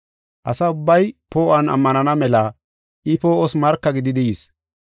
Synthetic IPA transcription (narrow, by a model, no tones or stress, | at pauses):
ʔɐsɐʊbːɐjpoːʔɐnɐ̰mːɐnɐnɐmɛlɐ | ʔɪpoːʔɔsmɐɾkːɐɡɪd̪ɪd̪ɪis